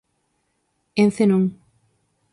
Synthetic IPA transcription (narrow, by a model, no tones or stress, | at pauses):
enθenoŋ